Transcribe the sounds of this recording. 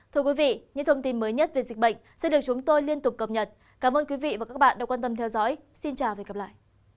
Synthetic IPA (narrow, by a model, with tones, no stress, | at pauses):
t̪ʰɨ˧ə˧kwi˨˦vḭ˧˨ɲɨ̰˧˥ŋt̪ʰə˧wŋ͡mt̪i˧nməː˨˦jɲə˦˥t̚ve˨˩zi˨˩k̟̚ɓə̰˧˨jŋ̟sɛ̰˧˥ɗɨ˨˩ək̚t͡ɕʊ˨˦ŋ͡mt̪o˧jli˧ənt̪ʊ˨˩k͡p̚kə˨˩p̚ɲə˨˩t̚ | kaː˨˦mʔəː˧nkwi˨˦vḭ˧˨vaː˨˩ka˦˥k̚ɓa̰ː˧˨ɗa˧˥kwaː˧nt̪ə˧mt̪ʰɛ˧wzɔ̰˧˥j | si˧nt͡ɕaː˨˩wve˨˩ɣə˨˩p̚la̰ː˧˨jʔ